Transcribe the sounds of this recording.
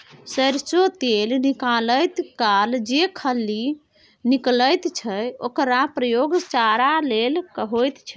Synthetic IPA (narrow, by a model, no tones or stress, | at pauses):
səɾsot̪elnikaləjt̪kald͡ʒekʰəlːi | nikləjt̪t͡ʃʰəokɾapɾəjoɡt͡ʃaɾalelkəɦojt̪t͡ʃʰə̥